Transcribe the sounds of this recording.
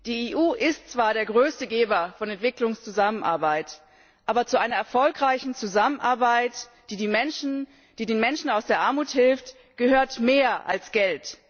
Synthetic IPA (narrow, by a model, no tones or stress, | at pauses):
d̥iːeːʔuːʔɪstt͡sv̥aːɐɾeːɐɡʁøːstəɡeːbɐfɔnɛntv̥ɪklʊŋst͡suzamənʔa̰ɐbaɪt | ʔaːbɐt͡suʔaɪnɐɛɐfɔlkʁaɪçn̩t͡suzamənʔaɐbaɪt | d̥iːdiːmɛnʃn̩ | d̥iːdeːnmɛnʃn̩aʊsd̥eːɐʔaɐmuːthɪlft | ɡ̥əhøːɐtmeːɐʔa̰lsɡ̥ɛlt